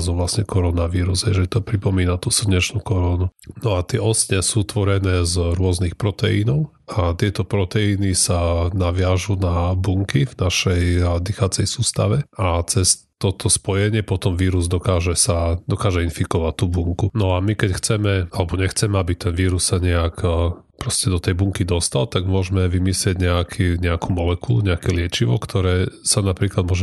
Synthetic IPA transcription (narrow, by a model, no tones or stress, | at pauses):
zɔʋlasɲɛkɔɾɔnaʋiːɾuzɦɛʒɛt̪ɔpɾipɔmiːnat̪us̩ɲɛt͡ʃnukɔɾɔnunɔat̪ɪɛɔsɲɛsuːt̪ʋɔɾɛnɛːzɾʊɔznixpɾɔt̪ɛḭnɔʊ | at̪ɪɛt̪ɔpɾɔt̪ɛinisanaʋɪaʒunabuŋkivnaʃɛjd̪ixat͡sɛjsuːst̪a̰ʋɛat͡sɛs | t̪ɔt̪ʰɔspɔjɛɲɪɛpɔt̪ɔmʋiːɾuzd̪ɔkaːʒɛsad̪ɔkaːʒɛinfikɔʋac̚t̪ːubuŋkunɔamikɛcxt͡sɛmɛalɛbɔɲɛxt͡sɛmɛabit̪ɛnʋiːɾussaɲɛak | pɾɔscɛd̪ɔt̪ɛjbuŋkid̪ɔst̪alt̪aɡmʊɔʒmɛʋimislɪɛɟɲɛakʰiɲɛakumɔlɛkuluɲɛakɛlɪɛt͡ʃiʋɔkt̪ʰɔɾɛːsanapɾiːklad̪mʊɔʒɛ